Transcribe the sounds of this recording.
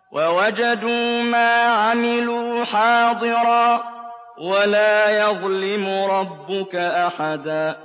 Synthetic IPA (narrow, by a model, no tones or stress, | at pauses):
wʔawad͡ʒad̪uːmaːʕamɪluːħɑːd̪ˤɨɾˤɑː | walaːjɑðˤlɪmʊɾˤɑbːʊkaʔaħad̪aː